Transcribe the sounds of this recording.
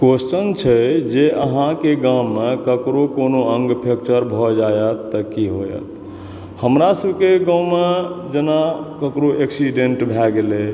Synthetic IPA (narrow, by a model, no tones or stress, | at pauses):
kost͡ʃənt͡ʃʰɛd͡ʒeʔəɦãkeɡãwmːekəkɾokonoə̃ŋɡpʰek̚t͡ʃəɾbʱɔd͡ʒajət̪ːəkiɦojə̰t̪ | həmɾasəbʱkeɡãw̃med͡ʒenakəkɾoʔeksiɖeɳʈbʱɛɡele